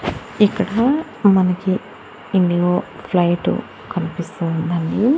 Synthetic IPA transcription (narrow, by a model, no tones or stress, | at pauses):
ikːɐɽa | mɐnɐkːiː | nːiʋoːflɐjʈːṵ | kɐnupist̪und̪ɐnːi